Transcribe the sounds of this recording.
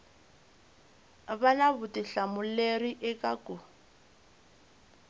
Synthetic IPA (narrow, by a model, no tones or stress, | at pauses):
βanaβʊtiɬamʊleriʔɛkʼaku